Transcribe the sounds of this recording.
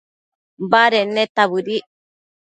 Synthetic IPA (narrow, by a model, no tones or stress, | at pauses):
baɾenːet̪aβɯɾi